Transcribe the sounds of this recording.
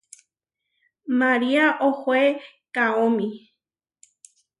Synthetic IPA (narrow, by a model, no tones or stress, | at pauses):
mãɾiaʔohoe | kaomĩ